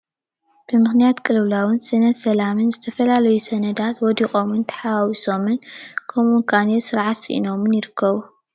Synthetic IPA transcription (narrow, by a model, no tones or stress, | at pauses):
b̥ɨmɨxnijat̪kʼɨlɨβlawɨnsɐnɐd̪sɐlamɨnzɨt̪ʰɐfɐlalɐjusɐnɐd̪at̪wɔd̪ixʼo̞mɨnt̪ʰɐ̥ħawawisomɨnkʰomunkʰanesɨɾʕat̪sḭʔḭno̞mɨnjɪɾɨkːɐβu